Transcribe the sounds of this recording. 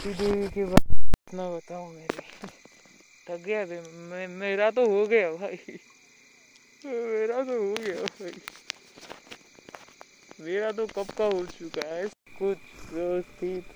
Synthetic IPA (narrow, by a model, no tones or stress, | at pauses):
sid̪eʋikebaːt̪ɪt̪nabɐt̪aːõmeːɾe | lɐɡɡɐjabmmeːɾat̪oɦoɡɐjabʱaːi | meːɾat̪oɦoɡɐjabʱaːi | meːɾat̪̬okɐpkaɦot͡ʃʊkaɦɛkʊt͡ʃʰd͡ʒost̪iːt̪